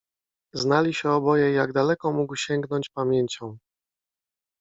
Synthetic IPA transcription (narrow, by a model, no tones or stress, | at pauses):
znalʲiɕɛɔbɔjɛjaɡd̪alɛkɔmuɡwɕɛŋɡnɔɲt͡ɕpamʲjeɲt͡ɕɔ̃w̃